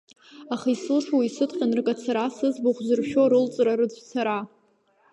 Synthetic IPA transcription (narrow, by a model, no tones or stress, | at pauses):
aχaisɨlʂwisɨtʰʼqʲʼanrkʼat͡sʰaɾasɨzbuχʷzɨrʃᶣoɾɨlt͡sʼraɾɨd͡zʷʰʼt͡sʰaɾa